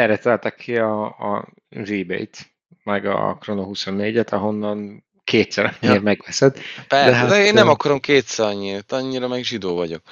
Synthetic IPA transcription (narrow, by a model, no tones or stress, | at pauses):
ɛɾɛt̪ɛlt̪ɛkʰːiɒː | ziːbḛjt̪ | mɛɡɒ̰kro̞noɦuso̞nːeːɟɛt̪ʰɒɦo̞nːɒn | kʰeːt̪sɛɾɒɲeːrmɛɡʋɛsɛd̪pɛd̪ɛɦaeːnːɛmɒkɒɾo̞mkeːt̪sɛɾɒɲit̪ɒɲːiɾɒmɛɡʒid̪oːvɒɟo̞k̚